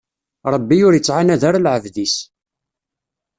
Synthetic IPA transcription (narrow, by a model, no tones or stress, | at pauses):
ɾˤəbːiʊɾjət͡sːʕanæðaɾalʕəvðis